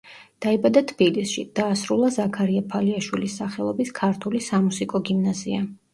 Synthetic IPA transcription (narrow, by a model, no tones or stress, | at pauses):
d̪̥aɛbad̪at̪ʰb̥ilisʃḭd̪̥aːsɾulˠazakʰaɾiapʰaliaʃwilisːaχɛlˠɔbiskʰaɾt̪ʰulisamusikʼɔɡimnazia